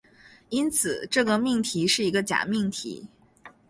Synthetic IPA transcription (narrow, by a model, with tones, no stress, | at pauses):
i˥nt͡sʰɹ̩˨˩ʈ͡ʂɤ˥˩ɡə˩mi˥˩ŋt̪ʰi˧˥ʂɻ̩˥˩i˧˥ɡə˧t͡ɕja̰˨˩mi˥˩ŋt̪ʰḭ˧˥